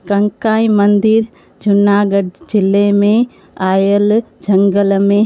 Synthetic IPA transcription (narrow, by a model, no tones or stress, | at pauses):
kɐ̃ŋkaːĩmɐ̃nd̪iɾ | d͡ʑʊnaːɡəɖd͡ʑɪlemẽ | aːjəld͡ʒʱɐ̃ŋɡəlmẽ